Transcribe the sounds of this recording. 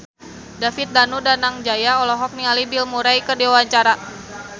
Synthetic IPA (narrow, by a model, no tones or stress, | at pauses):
dafit̪̚danudanaŋd͡ʒajaɔlɔɦɔk̚nialibilmuɾajkərdiwaɲt͡ʃaɾa